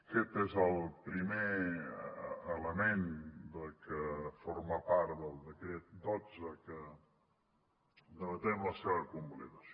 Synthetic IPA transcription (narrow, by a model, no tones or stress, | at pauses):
kɛt̪ezəlˠpɾime | ələmend̪əlkəfoɾmapaɾt̪d̪əlˠd̪əkɾɛt̪̚d̪od͡zəkə | d̪əβət̪ɛmləsɛɾəkumblḛðə